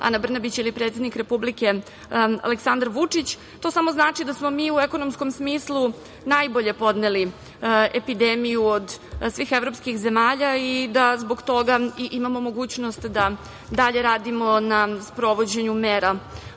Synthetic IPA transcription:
a̰nabr̩nabit͡ɕilipɾet̪sed̪nikɾe̞publike̞ | a̰leksand̪aɾʋut͡ʂit͡ɕ | t̪o̞samo̞znaːt͡ʂid̪asmo̞miːueko̞nomsko̞msmiːslu | najbo̞ʎe̞po̞d̪neli | epid̪emijuod̪sʋiːxe̞ʋɾo̞pskixze̞maːʎaid̪azboɡt̪o̞ɡaiʔimamo̞mo̞ɡuːt͡ɕnost̪d̪a | d̪aʎe̞ɾaːd̪imo̞naspɾo̞ʋo̞d͡ʑeɲumeːɾa

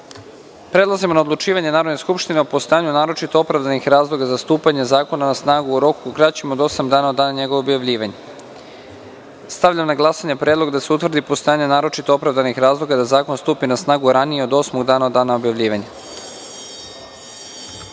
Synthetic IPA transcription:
pɾe̞d̪lˠazimo̞naod̪lut͡ʃiːʋaɲe̞naːɾod̪ne̞skupʃt̪ineopo̞st̪ojaɲunaːɾo̞t͡ʃit̪o̞opɾavd̪anixɾaːzlˠo̞ɡazast̪uːpaɲezaːko̞nanasnaːɡuːɾo̞kukɾat͡ɕimo̞d̪o̞samd̪aːnaod̪ːaːnaɲe̞ɡooobjaʋʎiːʋaɲe | st̪aʋʎamnaɡlˠasaɲepɾed̪loɡd̪aseut̪ʋr̩d̪ipost̪ojaɲenaːɾo̞t͡ʃit̪o̞opɾavd̪anixɾaːzlˠo̞ɡad̪azaːko̞nst̪uːpinasnaːɡuɾanijeo̞d̪o̞smoɡd̪aːnad̪aːnaobjaʋʎiːʋaɲe

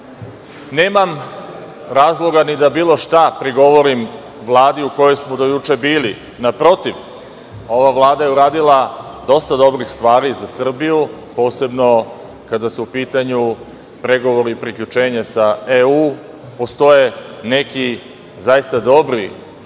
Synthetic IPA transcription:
neːmam | ɾaːzlˠo̞ɡanid̪abiːlˠo̞ʃt̪apɾiɡo̞ʋo̞ɾim | ʋlˠaːd̪iuko̞jo̞jsmod̪ojut͡ʃebiːli | napɾo̞t̪iʋ | o̞ʋavlˠaːd̪aje̞uɾaːd̪ilˠad̪o̞st̪ad̪o̞bɾixst̪ʋaːɾizasr̩bijupo̞ːse̞bno̞ | kad̪asuupiːt̪aɲu | pɾe̞ɡo̞ʋo̞ɾipɾikʎʲut͡ʃe̞ːɲasaeuː | po̞st̪o̞jene̞ki | zajist̪ad̪o̞bɾi

